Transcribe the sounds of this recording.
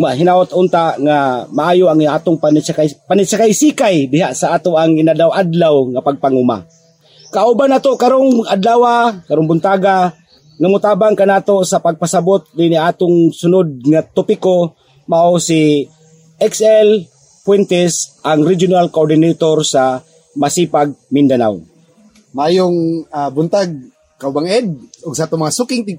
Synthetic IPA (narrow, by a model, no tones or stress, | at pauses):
maɦɪnaʔot̪ʊnt̪aŋamaʔaːjoʔaŋaːt̪ʊŋpant͡ʃakapanɪsakajsikajd̪ɪɦaʔsaʔaːt̪oʔaŋɪnadawad̪lawŋapaɡ̚paŋuma̰ | kaʔubanaːt̪okaɾoŋad̪laːwakaɾoŋbʊnt̪aːɡa | ŋamʊt̪aːbaŋkanaːt̪osapaɡ̚pasabʊt̪̚d̪ɪniʔaːt̪ʊŋsʊnod̪̚ŋat̪opɪko | maʔosi | ʔɛksɛl | pwɛnt̪ɛsʔaŋɾid͡ʒjonalkoʔoɹd̪ɪnejt̪oɾsa | masiːpaɡ̚mɪnd̪ana̰w | majʊŋabʊnt̪aɡ̚ | kaʔʊbaŋɛd̪̚ʊɡsat̪omɐaŋasukɪŋt̪ɪ